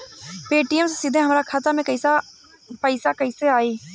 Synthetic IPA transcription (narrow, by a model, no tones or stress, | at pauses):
peːʈiːəmssɪd̪ẽɦəmɾaːkʰat̪amɛ̃ːkəɪsaː | pəɪsaːkəiseːaːiː